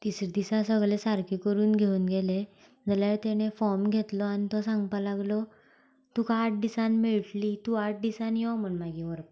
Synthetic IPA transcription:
t̪isɾed̪isãsəɡɭesaɾkikəɾuːnɡʱeuːnɡʱele | d͡zəlat̪eɽ̃efɔɾmɡʱet̪lɔanit̪ɔsãŋɡpalaɡlɔ | t̪ukaaʈ̚ʰd̪isanmiɭʈliːt̪uaʈ̚ʰɖ̪isanjɔm̤əɳmaɡiʋəɾp

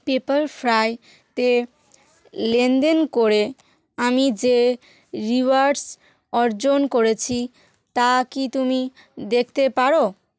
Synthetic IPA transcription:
pepaɾfʰɾaj | t̪e | lend̪enkoɾe | amid͡ʑe | ɾiʋaɾɖs | ɔɾd͡ʑonkoɾet͡ɕʰi | t̪akit̪umi | d̪ekʰt̪epaɾo

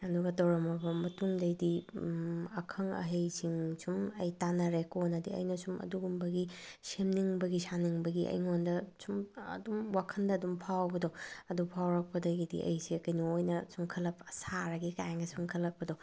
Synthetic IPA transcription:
ɐduɡɐtɐwɾɐmɐbɐmɐtuŋdɐjdi | ɐkʰɐŋɐ̰ɦejsiŋsʰumɐjtanɐɾekonɐdiɐ̰jnɐsumɐ̰duɡumbɐɡi | semniŋbɐɡisaniŋbɐɡiʔɐ̰jŋondɐsumɐ̰dumwakʰɐndɐːdumpʰawbɐdoɐdupʰawɾɐk̚pɐdɐɡidḭʔɐ̰jsiɐkɐjniojnɐsuŋkʰɐlːɐp̚saɾɐɡikajaŋɡɐsuŋkʰɐlːɐk̚pɐdo

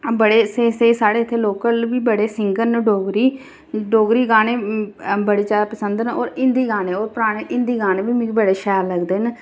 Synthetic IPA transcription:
bəɽeːseseːsaːɽeːɪt̪ʰːeːloːkəlʋiːbəɽeːsɪŋɡəɾnɖoːɡɾiː | ɖoːɡɾiːɡaːneːbəɽeːt͡ʃaːd̪aːpəsə̃nd̪noːɾɪ̃nd̪iːɡaːneːoːɾpəɾaːɽ̃eːʔɪ̃nd̪iːɡaːneːbiːmĩɡbəɽeːʃɛːɾləɡd̪eːn

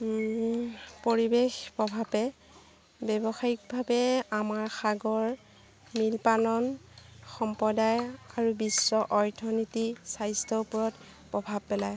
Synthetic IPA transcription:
poɹibexpɹɔbʱabɛ | bɛbɔxaik̚bʱabɛamaɹxaɡɔɹ | milpanɔnxɔmpɔdajaɹubisːɔʔɔɹtʰɔnitisajstʰɔupɔɹɔt | pɹɔbʱab̚pɛlaj

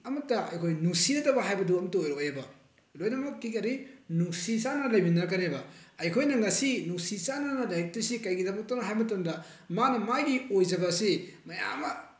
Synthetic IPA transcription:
ɐmɐtːɐɐ̰jkʰojnuŋsiɾɐtɐbɐɦajbɐduɐmɐtuojɾoojɐbɐ | lojnɐmatikɐɾinuŋsisanɐlɐjminakɐnebɐɐjkʰojnɐŋɐsinuŋsisananɐlɐjik̚tusikɐjɡidɐbɐk̚tɐnɐɦajmɐtɐmdɐ | manɐmajdiojd͡ʒɐbɐsimɐja̰mɐ

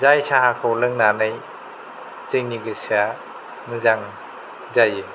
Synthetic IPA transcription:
zajsaakʰɔwlɯŋnanɯj | t͡ʃɯjŋniɡɯsia | mɯzaŋ | zaje

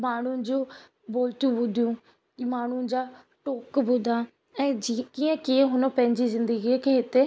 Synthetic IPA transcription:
maːɳ̤̃ũd͡ʒoː | boːlt̪ũbʊd̪ijũː | maːɳ̤̃ud͡ʒaː | ʈoːkbʊd̪aː | ɛ̃ːkijãːkiẽɦʊnõːpɛ̃ːɪɲd͡ʒiːzɪ̃nd̪əɡiɛkeɦɪt̪e

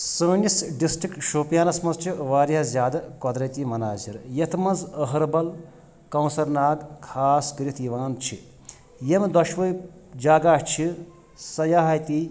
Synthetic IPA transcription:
səːnisɖisʈɾikʈʃoːpjaːnɐsmɐnzt͡ʃʰiʋaːɾiɐzʲjaːd̪ɐkɔd̪ɾɐjt̪imɐnaːziɾjet̪ʰmɐnzəɦɐɾbɐl | kɐ̃wsɐɾnaːɡkʰaːskɾit̪ʰiʋaːnt͡ʃʰḭ | jemd̪ɐʃʋəj | d͡ʒaːɡaːʂt͡ʃʰi | sɐjaːɦɐjt̪i

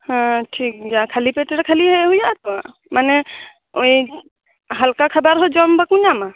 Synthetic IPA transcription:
hãʈʰik̚d͡ʒakʰalipeʈeɾkʰaliɦɛɦujat̪ɔa | manɛ | oj | ɦalkakʰəbaɾɦɔd͡ʒɔmbakuɲama

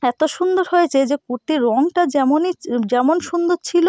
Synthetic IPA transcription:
ɛt̪oʃund̪oɾɦojet͡ɕʰed͡ʑekoʈiɾɔŋʈad͡ʑɛmonid͡ʑɛmonʃund̪oɾt͡ɕʰilo

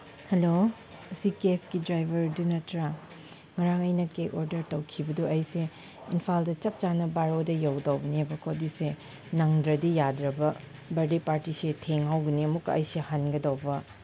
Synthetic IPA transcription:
hɐlo | ɐsikepʰkidɾajbʱɐɾdunɐtɾa | ŋɐɾaŋɐjnɐkekoɾdɐɾtɐwkʰibɐduɐjse | inpʰaldɐt͡ʃɐp̚t͡ʃanɐbaɾodɐjawdɐwbɐnibɐkʰodise | nɐŋdɾɐdijadɾɐbɐ | bɐɾdepaɾtisetʰeŋɦawɡɐniɐmukːɐɐ̰jsehanɡɐdɐwbɐ

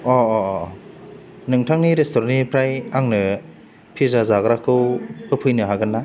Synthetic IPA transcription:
ɔɔ | nɯŋtʰaŋniɾestʰɔɾanipʰɾajaŋnɯ | pʰizazaɡɾakʰɯwɯpʰɯjnɯɦaɡɯnːa

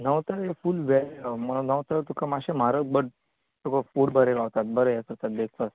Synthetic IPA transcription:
nəwt̪əɾefuːlʋɛɾeɡamənəwt̪əɾt̪ukamaɕem̤aɾəbəɽ | t̪ukafuːɽbʱəɾeɾaʋt̪at̪̚bəɾəjekəɾt̪at̪̚d̪ekʰt̪ət

